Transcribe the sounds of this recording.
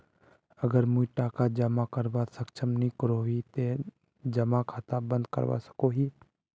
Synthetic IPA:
əɡəɾmũiʈaːkad͡ʒəmakəɾʋasəkt͡ʃʰəmnĩkəɾoɦiːt̪e | d͡ʒəmakʰaːt̪abə̃nd̪̚kə̰ɾʋa̰sə̥koːɦiː

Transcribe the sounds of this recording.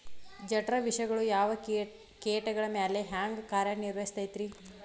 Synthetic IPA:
d͡ʒɐʈɾɐʋiʂɐɡɐɭujaːʋɐ | keːʈɐɡɐɭɐmjaːleɦaːŋɡkaːɾjɐniɾʋɐist̪aːjt̪ɾi

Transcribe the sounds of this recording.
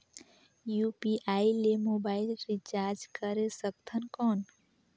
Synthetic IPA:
jupiʔailemobaɪilɾit͡ʃaɾd͡ʒkəɾesəkt̪ʰənkɔn

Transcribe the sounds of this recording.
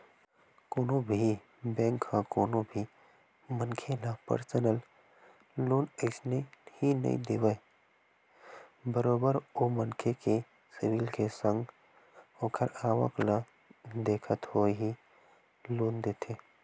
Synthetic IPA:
koːnõbʱi | bɛ̃ːŋkːãkoːnõbʱi | mənkʰelapə̰ɾsənəl | loːnəɪsnehinɐ̰ḭ̃d̪eːwə | bəɾoːbəɾoːmənkʰeke | sɪwilkesə̃ŋɡ | õːkʰəɾaːʋə̰kla | d̪eːkʰət̪hoeɦi | loːnd̪eːt̪ʰeː

